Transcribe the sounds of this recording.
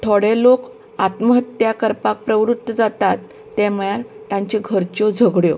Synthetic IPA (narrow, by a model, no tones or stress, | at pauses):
t̪ʰoɽelok | at̪məɦət̪jakəɾpak̚pɾəʋɾut̪ːəd͡zat̪at̪ː | eməɭaɾt̪ãɲt͡ɕeɡʱəɾt͡ɕod͡zʱəɡɽjo